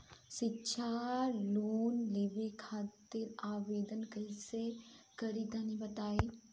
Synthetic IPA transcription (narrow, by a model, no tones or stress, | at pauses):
ʃɪtːʃʰaloːnleːʋekʰaːt̪ɪɾaːʋeːd̪ənkɐɦsekɐɾit̪ãːnĩbɐt̪aːiː